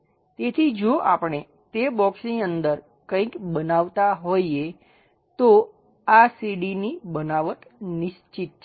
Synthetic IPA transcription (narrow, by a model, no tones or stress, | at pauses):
t̪et̪ʰid͡ʒoʔapəɳ̃e | t̪ebɔksniənd̪əɾ | kə̃ĩkbənaʋt̪aɦoje | t̪o | asiɖinibənaʋət̪nɪʃt͡ʃit̪̚ʰ